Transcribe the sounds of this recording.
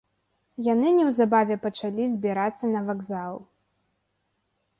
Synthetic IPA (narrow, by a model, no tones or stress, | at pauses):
janɨnʲɛwzabavʲɛpɐt͡ʂalʲizʲbʲiɾat̪sːɐnɐvaɡzalˠ